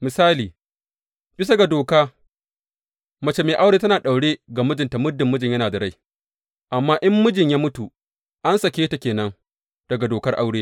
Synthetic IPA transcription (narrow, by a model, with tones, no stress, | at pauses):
mɪ˨saː˦liː˨ | b̥ɪ˦sɐ˦ɡa˨doː˨kaː˦ | mɐ˨t͡ʃe˨meː˨ʔa˦wɽeː˦tɐ˦naː˨ɗa˨wɽeː˦ɡa˨mʊ˦d͡ʒɪ˨nta˨mʊ˦dːɪ˨mːʊ˦d͡ʒɪ˨ɲjɐ˦naː˨da˨ɽa˦j | ʔa˨mːaː˦ʔɪ˦mːʊ˦d͡ʒɪ˨ɲjaː˦mʊ˦tu˨ | ʔa˦nsɐ˨kʲeː˦ta˨kʲeː˨nɐ˦ŋ | d̥ɐ˨ɡa˨doː˨kɐ˦rʔa˦wɽeː˦